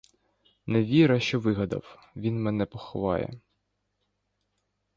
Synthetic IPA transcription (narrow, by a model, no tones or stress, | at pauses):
nɛʋʲiɾɐʃt͡ʃɔʋɪɦɐd̪ɐ̰w | ʋʲinmɛnɛpɔxɔʋɑjɛ̰